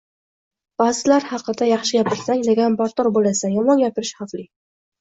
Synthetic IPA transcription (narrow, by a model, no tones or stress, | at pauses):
b̥ɑzɪlaɾhɑqːɨd̪ajɑχʃɪɡʲapɪɾsaŋleɡʲanpaɾt̪ɒɾbolasajɒmɒnjʲapɪɾɪʃhaflɪ